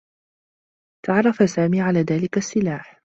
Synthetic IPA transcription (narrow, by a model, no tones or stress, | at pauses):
t̪aʕɾˤɑfasaːmiːʕalaːðaːlɪkasːɪlaːħ